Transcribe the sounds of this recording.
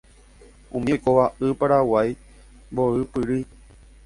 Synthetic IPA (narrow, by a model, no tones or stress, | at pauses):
ũmĩojkoʋaʔɨpaɾawaj | boɨpɨɾɨ